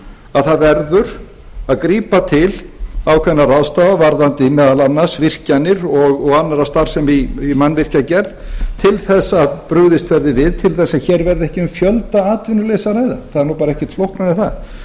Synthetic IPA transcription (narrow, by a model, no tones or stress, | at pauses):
aðθaðvɛɾðʏɾ̥ | aðkɾiːpat̪ʰɪlawkʰvɛnːaraðst̪aːðavaɾðant̪ɪmɛːðalanːasvɪr̥canɪɾɔɣɔɣanːaɾast̪aɾ̥sɛmiimanːvɪr̥cacɛɾðt̪ʰɪlθɛsːaðpɾʏɣðɪst̪vɛɾðɪvɪðt̪ʰɪlθɛsːaçɛːɾvɛɾðɪɛhcɪʏmfjœlt̪aaːt̪vʏnʏleːsaɾaːjða̰θaðɾnupaːɾaɛhcɪ̥t̪flowhknanɪθa̰ð